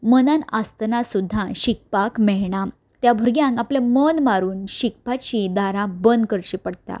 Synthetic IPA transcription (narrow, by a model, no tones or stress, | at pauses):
mənãnast̪nasud̪ʱːãɕik̚pakmɛɭɳa | t̪jabʱuɾɡjãŋkapljamənmaɾuːnɕik̚pat͡ɕid̪aɾãbənd̪kəɾɕipəɽt̪a̰